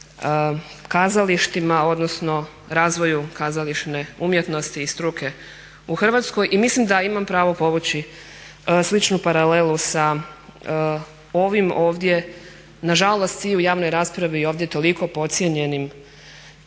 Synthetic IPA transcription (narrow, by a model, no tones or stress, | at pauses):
kazaliʃt̪imao̞d̪no̞sno̞ | ɾaːzʋo̞jukazaliʃneumje̞t̪no̞st̪iːst̪ɾukʰe̞ | uxr̩ʋat̪sko̞jʔimislimd̪aimampɾaːʋo̞po̞ʋut͡ɕi | slit͡ʃnupaɾale̞lusa | o̞ʋimoːʋd̪je̞ | naʒalˠost̪iujaːʋno̞jɾaːspɾaʋio̞ːʋvd̪je̞t̪o̞liko̞po̞t̪sje̞ɲe̞nim